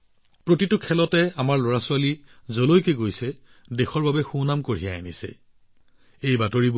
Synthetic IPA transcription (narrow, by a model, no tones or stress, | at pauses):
pɹotitʊkʰɛlɔtɛamaɹlɔɹasʊwalizolojkeɡojsɛ | dexɔɹbabɛxunamkoɹijaanisɛ̰ | ejbatoɹib